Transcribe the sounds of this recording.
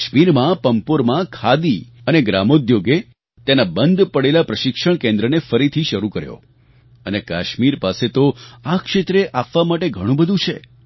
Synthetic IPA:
ʃmiɾmãpəmpoɾmãkʰad̪iəneɡɾa̰mod̪joɡe | t̪enabənd̪ʱpəɽelapɾəʃɪkʃəɳ̃kẽnd̪ɾənefəɾit̪ʰiʃəɾukəɾjo̰ | ənekaʃmiɾpaset̪oakʃet̪ɾeʔapʋamaʈeɡʱəɽ̃ũbəd̪ʱũt͡ʃʰḛ

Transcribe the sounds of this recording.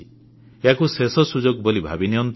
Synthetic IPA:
jakusesɔsud͡ʒoɡbɔlibʱa̰binijɔnt̪

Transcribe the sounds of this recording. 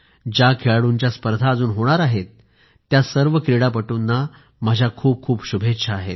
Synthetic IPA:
d͡ʑakʰeɭaɽuɲt͡ɕjaspəɾd̪ʱaəd͡zuːnɦoɽ̃aɾaɦet̪ː | jasəɾʋəkɾiɽapəʈuːnːa | məd͡ʑʱjakʰuːp̚kʰuːpɕubʱetːɕʰaaɦḛt̪̚

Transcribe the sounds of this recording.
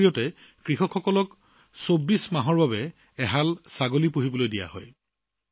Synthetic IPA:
ijɔtɛ | kɹixɔkxɔkɔlɔk | sobːismaɦɔɹbabɛ | ɛɦalsaɡolipoɦibɔlojdija̰ɦɔ̰j

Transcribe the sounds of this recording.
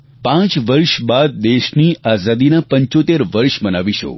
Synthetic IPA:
pãt͡ʃʋəɾʃbad̪̚ːeʃniʔazad̪inapəɲt͡ʃot̪eɾʋəɾʃmənaʋiʃo̰

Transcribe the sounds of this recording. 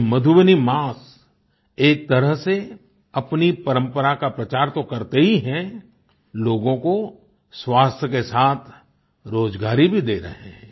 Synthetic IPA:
mɐd̪ʱʊʋənimaːs | eːk̚t̪ɐɾəɦse | ɐpnipɐɾə̃mpəɾakapɾɐt͡ʃaːɾt̪okɐɾt̪eɦiɦɛ̃ | loːɡõko | swaːst̪ʰjəkesaːt̪ʰ | ɾoːd͡ʒɡaːɾibʱid̪eːɾɐ̰ɦḛ̃

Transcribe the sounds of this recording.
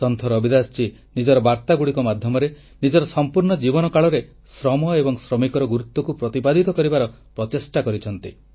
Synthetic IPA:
sɔnt̪ʰɔɾɔbid̪ast͡ʃʰi | nid͡ʒɔɾɔbaɾt̪aɡuɽikɔmad̪ʱjɔmɔɾe | nid͡ʒɔɾɔsɔmpuɾɳɔd͡ʒibɔnɔkaɭɔɾe | sɾɔmɔebɔŋsɾɔmikɔɾɔɡuɾut̪ːɔkupɾɔt̪ipad̪ʱit̪ɔkɔɾibaɾɔ | pɾɔt̪esʈakɔɾit͡ʃʰɔnt̪i

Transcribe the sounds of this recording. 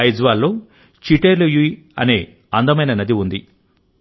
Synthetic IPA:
ɐjd͡ʒʋaːlːo̞ː | t͡ʃiʈeːɾluju | ɐ̰ne̞ː | ɐnd̪ɐmɐjnɐnɐd̪iund̪i

